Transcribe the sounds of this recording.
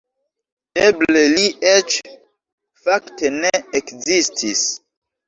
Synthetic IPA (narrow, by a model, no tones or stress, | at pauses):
eble̞liet͡ʃ | fakte̞neːkzistʰis